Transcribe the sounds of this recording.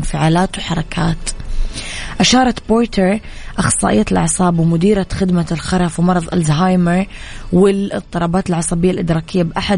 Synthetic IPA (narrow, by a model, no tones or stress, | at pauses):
nfɪʕaːlaːt̪wħɑɾˤɑkʰaːt̪ | ʔaʃɑːɾˤɑt̪boːɾt̪ʰəɾ | ʔɑxsˤɑ̰ːʔɪjːalʔɑ̰ʕsˤɑːbwɪmʊd̪iːɾaxɪd̪malxɑɾˤɑfwmɑɾˤɑðˤʔa̰lzɦajmɪɾ | wɪlɪt̪ˤːɨɾˤɑːbaːt̪ɪlʕɑsˤɑbɪjːalʔɪd̪ɾˤɑːkɪjːabʔaħa